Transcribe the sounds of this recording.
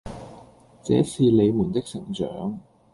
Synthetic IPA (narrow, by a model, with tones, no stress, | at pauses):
t͡sɛː˨˥sʰiː˨˧le˨˧jmuː˨˩nt̪ɪ˥k̚sɪ˨˩ŋt͡ʃœ̰ː˨˥ŋ